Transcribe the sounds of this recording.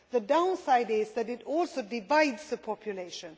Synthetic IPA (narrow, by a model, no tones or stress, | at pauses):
ðədãʊ̃nsaɪdɪzðɨɾɪtɔlsoʊdɪvaɪdz̥ðəpʰɔpʰjuleɪʃə̃n